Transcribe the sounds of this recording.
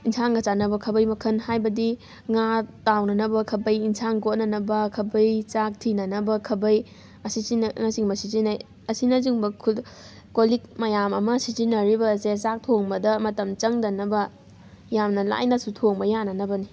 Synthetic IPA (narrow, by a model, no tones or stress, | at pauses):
insaŋɡɐt͡ʃanɐbɐkʰɐbɐjmɐkʰɐnhajbɐdi | ŋatawnɐnɐbɐkʰɐbɐjinsʰaŋkot̚nɐnɐbɐkʰɐbɐjt͡ʃak̚tʰinɐnɐbɐkʰɐbɐj | ɐsisinɐŋasiŋbɐsizinaj | ɐsinɐziŋbɐkʰud | kolik̚mɐjamɐmɐsizinːɐɾibɐsesak̚tʰoŋbɐdɐmɐtɐmt͡ʃɐŋdɐnːɐbɐ | jamnɐla̰jnasutʰoŋbɐjanɐnɐbɐni